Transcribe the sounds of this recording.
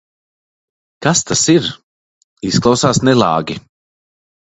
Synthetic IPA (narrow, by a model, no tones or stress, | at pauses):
kast̪asiɾ | isklˠawsaːsnɛlˠa̰ːɡʲi